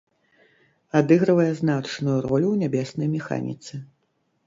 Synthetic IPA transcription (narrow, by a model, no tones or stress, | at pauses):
ad̪ɨɣɾɨvɐjɛznat͡ʂnujuɾɔlʲuwnʲabʲɛsnɐjmʲɛxa̰nʲḭt̪sɨ